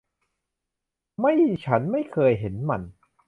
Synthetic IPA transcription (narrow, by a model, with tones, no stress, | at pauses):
ma˥˩jt͡ɕʰa˦˥nma˥˩jkʰɤː˧jɦe˩˦nma˧n